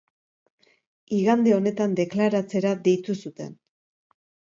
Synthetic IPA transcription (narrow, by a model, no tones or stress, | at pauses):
iɣand̪e̞o̞ne̞t̪and̪e̞klaɾat͡se̞ɾaðe̞jt̪usut̪e̞̰n